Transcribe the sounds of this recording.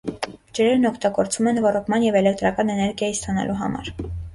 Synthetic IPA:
d͡ʒəɾɛɾnɔkʰt̪ɑɡɔɾt͡svumɛnvɔrɔkʰmɑnjɛvɛlɛkt̪ɾɑkɑnɛnɛɾɡjɑjist̪ɑnɑ̰lʔuɦɑ̰mɑ̰ɾ

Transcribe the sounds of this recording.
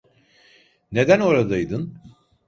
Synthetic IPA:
ne̞d̪æno̞ɾad̪ajd̪ɯn

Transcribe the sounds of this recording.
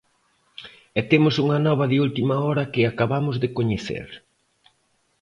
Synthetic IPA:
ɛt̪emʊsuŋɐnɔβ̞ɐðɪult̪imɐɔɾɐkɪakaβamʊzðɪkoɲeθḛɾ

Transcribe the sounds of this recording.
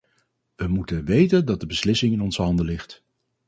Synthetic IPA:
ʋəmutənʋejtəndɑt̚dəbəslɪsɪŋɪnɔnzəɦɑndəlɪχt

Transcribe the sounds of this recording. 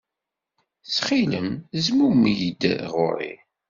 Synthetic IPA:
t͡sːχiləmzmumjəd̪ʁʊ̰ɾˤḭ

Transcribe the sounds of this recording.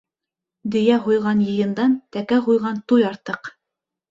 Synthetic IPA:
d̪ɵ̆jæɦŭjʁɑnjɤ̆jɤ̆nd̪ɑnt̪ækæɦujʁɑnt̪ujɑɾt̪ɤq

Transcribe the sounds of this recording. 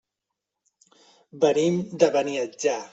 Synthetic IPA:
bənimd̪əβəniəd͡ʒa

